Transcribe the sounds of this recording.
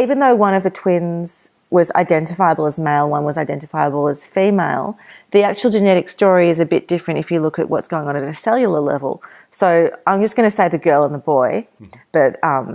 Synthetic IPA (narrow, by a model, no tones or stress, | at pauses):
ivɨ̃nðoʊwʌ̃ñʌvðɨtʰw̥ɪ̃nz̥ | wʌza̰ɪdɛ̃ntɨfaɪəbl̩ˠəzmeɪlˠwʌ̃nwʌzaɪdɛ̃ntɨfaɪəbl̩ˠəz̥fimeɪlˠðiæk̚t͡ʃul̩ˠd͡ʒɨnɛɾɨkstɔɹiɨzɨbɪt̚d̥ɪfɹɨ̃ntɨfjɨlʊkɨ̰ʔwʔʌ̰tsɡ̥oʊɪ̃ŋə̃ñɨɾɨsɛlˠjɨl̩ˠə˞lɛ̰vl̩ˠ | soʊãɪ̃md͡ʒʌsɡ̥ʌñɨseɪðɨɡɜ˞lˠə̃nðəbɔɪb̥ʌt̚ʌ̃m